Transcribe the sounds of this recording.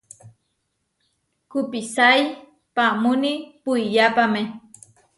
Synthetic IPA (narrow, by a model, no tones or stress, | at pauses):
kupisaj | pamunipuijapamẽ